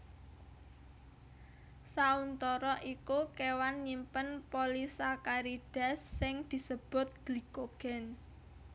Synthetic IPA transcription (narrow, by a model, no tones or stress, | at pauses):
saunt̪ɔɾɔʔikukewanɲimpənpolisakaɾiɖ̥a̤sːɪŋd̪̥i̤səb̥ʊ̤t̪̚ɡ̥likoɡ̥ɛ̤n